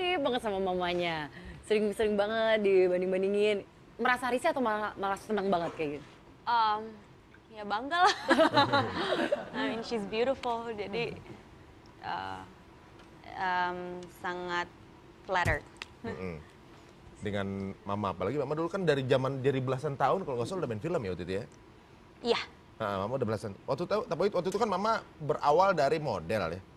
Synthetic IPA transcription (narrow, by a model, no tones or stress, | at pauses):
ɾibaŋət̪̚samamamaɲasəɾɪŋsəɾɪŋbaŋət̪̚dibandɪŋbandiŋɪn | məɾasaɾisiat̪awmalaamalahstənaŋbaŋət̪̚kaɡit̪ | ʔəm | jabaŋɡal | amɪnʃisbjuɾɪfuld͡ʒadi | ʔə̰ | əmsaŋat̪̚ | flɛɾər | mʔm̩ | dəŋanmamaːpalaɡimamadulukandaɾid͡ʒamandaɾibəlasant̪aʊnkaloŋɡasoldabanfiləmjaut̪it̪uja | ija | ʔəʔə̰mamaudabəlasanwak̚t̪ut̪at̪ap̬ait̪wak̚t̪ut̪ukanmamabəɾʔa̰waldaɾimodɛlja̰